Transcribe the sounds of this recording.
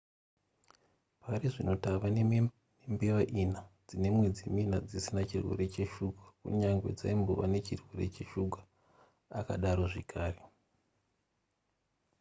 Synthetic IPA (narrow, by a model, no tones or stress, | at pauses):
pariʐino̞taʋan | nembeʋaʔinad͡zine̞mwe̞d͡ziminad͡zisinat͡ʃirwe̞̰ɾe̞t͡ʃe̞ʃuɡʱḁkṵɲaŋɡwed͡za̰imbo̞̰ʋa̰ne̞t͡ʃirwe̞re̞t͡ʃe̞ʃuɡʱwa | aka̰ɗaɾo̞ʐekʰaːre